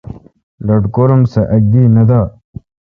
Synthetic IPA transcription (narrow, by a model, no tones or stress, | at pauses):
lɐʈkoːɾəmsɐʔɐɡ̚d̪inɐd̪a